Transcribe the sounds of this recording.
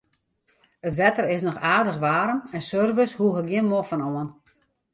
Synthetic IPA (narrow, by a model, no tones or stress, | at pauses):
ətʋɛtərɪs̬nɔxaːrdəxʋaːɾəmɛnsørvəshuəxəɡjɪnmofɔnoən